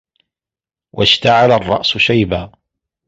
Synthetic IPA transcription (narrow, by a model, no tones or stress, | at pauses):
wʔaʃt̪aʕalarˤːɑ̰ʔsʊʃajbaː